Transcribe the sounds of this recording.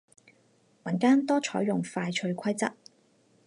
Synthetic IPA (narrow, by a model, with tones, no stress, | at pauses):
mɐ˨˩nkaː˥nt̪ɔː˥t͡ʃʰɔ̰ː˨˥jːʊ˨˩ŋfaː˧jt͡ʃʰɵ˧ɥkʰɐ˥jt͡sɐ̰˥t̚